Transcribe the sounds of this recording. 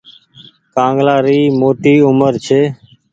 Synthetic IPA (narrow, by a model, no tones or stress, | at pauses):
kãːŋɡlaːɾiːmoːʈiːʊməɾt͡ʃʰeː